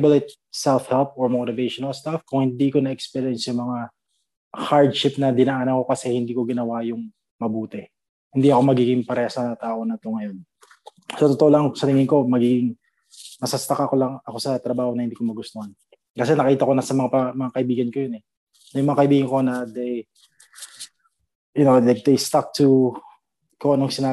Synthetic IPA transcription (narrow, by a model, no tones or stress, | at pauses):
bɐlɛt̪̚ | sɛlfhɛlp̚ʔoɹmot̪ɪvejʃonɐlst̪afkʊŋhɪnd̪iːko̞nɐʔɛkspɛɾjɛnsjʊmɐŋa | haɹd̪ʃɪp̚nɐd̪ɪnaʔanɐko̞kɐsɛhɪnd̪iːko̞ɡɪnɐwajʊŋ | mɐbuːt̪ɛ | hɪnd̪iʔɐko̞mɐɡiːɡɪŋpɐɾɛsɐt̪aːʔo̞nɐt̪oŋɐjo̞n | sot̪ot̪oolŋsɐt̪ɪŋɪnko̞mɐɡiːɡɪŋ | mɐsast̪ɐkaʔɐko̞lɐŋɐko̞sɐt̪ɾɐbaːhonɐhɪnd̪iːkomɐɡʊst̪ohɐn | kɐs̬ɛnɐkɐkiːt̪ɐko̞nɐsɐmɐŋaɐmɐŋakɐʔɪbiːɡɐnko̞jonɛ | nɐjʊŋmɐŋakɐʔɪbiːɡɐnko̞nɐd̪ej | jʊnowd̪ɛd̪ejst̪ak̚t̪ʰu | koʔnoŋsɪnaː